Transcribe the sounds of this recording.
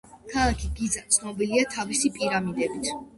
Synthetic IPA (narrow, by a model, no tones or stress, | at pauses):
kʰalˠakʰiɡid̪zat̪sʰnɔbiliat̪ʰavisipʼiɾamid̪ɛbit̪ʰ